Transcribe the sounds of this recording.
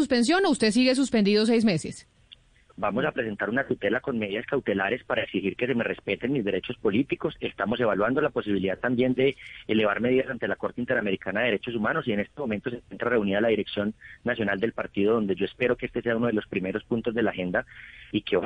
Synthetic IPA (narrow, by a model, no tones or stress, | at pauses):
uspe̞ns̬jo̞noust̪e̞s̬iɣes̬uspend̪iðo̞s̬ejs̬me̞ses | bamo̞sapɾese̞nt̪aɾunat̪ut̪e̞lako̞nme̞ðiðaskawt̪e̞laɾe̞spaɾaeksixiɾke̞se̞mere̞spe̞t̪e̞nmizd̪e̞ɾe̞t͡ʃo̞spo̞lit̪iko̞se̞st̪amo̞se̞β̞alwand̪o̞lapo̞siβiliðaðt̪ambje̞nd̪e̞ːle̞βaɾme̞ð̞iðasant̪e̞lako̞ɾt̪eint̪eɾame̞ɾikanaðeeɾet͡ʃo̞s̬umano̞sie̞ne̞st̪emo̞ment̪o̞s̬e̞ŋkwent̪ɾare̞uniðalaðiɾe̞ksjo̞nːasjonald̪elpaɾt̪iðoð̞o̞nd̪e̞ʝo̞e̞speɾo̞keest̪ese̞aunoð̞e̞lo̞spɾime̞ɾo̞spunt̪o̞zd̪e̞laxe̞nd̪aikeo